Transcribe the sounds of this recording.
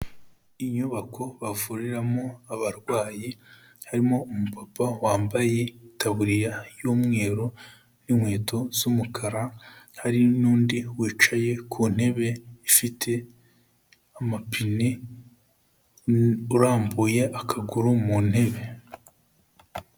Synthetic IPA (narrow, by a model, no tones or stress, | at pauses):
iɲuβakʰo̞βavuɾiɾamo̞aβaɾɡwaːji | haɾimo̞umupapawaːmbaje̞itaβuɾijajoːmŋe̞ːɾo | nimwe̞ːto̞zumukʰaɾahaɾinuːndiwiːt͡ʃaje̞kʰun̥e̞βe̞ifitʰe̞ | amapʰine | uɾaːmbuːje̞ʔakʰaɡuɾumun̥he̞βe̞